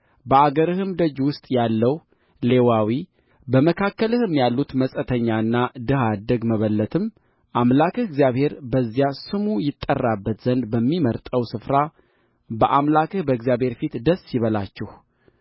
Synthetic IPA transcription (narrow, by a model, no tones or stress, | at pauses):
bəaɡəɾɨhɨmd̪əd͡ʒwʊst̪ʼjalːəw | le̞wawi | bəməkʰakːəlɨhɨmjalːut̪məsʼət̪ʰəɲːaɨnːad̪ɨɦad̪əɡməβəlːət̪ʰɨm | ʔamlakɨhɪɡzijaβhe̞ɾbəzːjasɨmujɪt̪ʼːərːabːət̪z̥ənd̪bəmːiməɾt̪ʼəwsɨfɾa | bəʔamlakɨhbəɡzijaβhe̞ɾfit̪d̪əsːjɪβəlat͡ʃːɛh